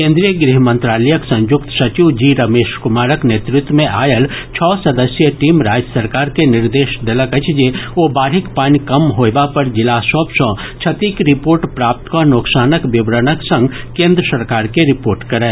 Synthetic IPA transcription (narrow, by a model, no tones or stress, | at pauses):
kẽːnd̪ɾijəɡɾiɦmə̃nt̪ɾaːləjəksɐ̃njʊkt̪sɐt͡ʃiʋd͡ʒiɾɐmeːʃkʊmaːɾəkneːt̪ɾɪt̪wəmẽʔaːjəlt͡ʃʰɔːsɐd̪əsjəʈiːmɾaːd͡ʒjəsɐɾkaːɾkenɪɾd̪eːʃd̪ɐləkɐt͡ʃd͡ʒeoːbaːɾɦɪkpaːnkɐmɦoːbapɐɾd͡ʒɪlaːsɔːbsɔ̃ː | t͡ʃʰɐt̪ikɾɪpoːɾʈpɾaːp̚t̪konoːksaːnəkbɪbɾənəksɐ̃ŋɡ | kẽːnd̪ɾəsɐɾkaːɾkeɾɪpoːɾʈkɐɾɛ̃ː